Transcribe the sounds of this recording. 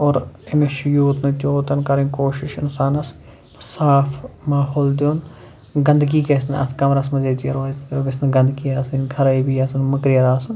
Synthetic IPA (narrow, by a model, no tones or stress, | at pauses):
oːɾemeʃjoːt̪nɐt͡ʃʲoːt̪ɐnkɐɾĩnʲkoːʃɪʃɪnsaːnɐs | saːfʰmaːɦoːld̪joːn | ɡɐnd̪ɡiːkesnɐ̰skɐmɾɐsmɐzeːt̪ijɐɾoːoɡesnɐɡɐnd̪kiːasinkʰɐɾɐibijasɐnmɐkɾijɐɾaːsɐn